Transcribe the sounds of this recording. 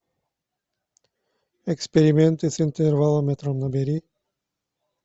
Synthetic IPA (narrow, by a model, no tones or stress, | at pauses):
ɛkspɛɾimɛnt̪isint̪ɛɾvalˠomɛt̪ɾɔmnabɛɾi